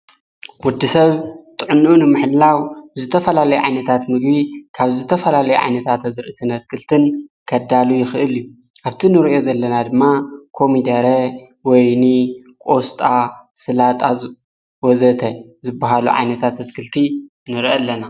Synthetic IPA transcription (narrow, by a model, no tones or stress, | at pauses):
wʊd̪ːisɐβt̪ʼɨʕɨnunɨmɨħɨlːawzɨt̪ʰɐfɐlalɐjuʕa̰jnɐt̪ʰat̪mɨɡbikʰaβzɨt̪ʰɐfɐlalɐjuʕa̰jnɐt̪ʰat̪ɐzɨɾʔɨt̪ʰɨnɐt̪̚kʰɨlt̪ʰɨnkʰɐd̪alujɪxɨʔɨlju | ʔaβt̪ʰinɨɾʔijo̞zɐlːɐnad̪ɨmːakʰo̞mid̪ɐɾɐ | wɔjni | kʼo̞st̪ʼasɨlat̪ʼaz | wɔzɐt̪ʰɐzɨbːaɦalṵʕa̰jnɐt̪ʰat̪ɐt̪kʰɨlt̪ʰi | nɨɾiʔɐlːɐna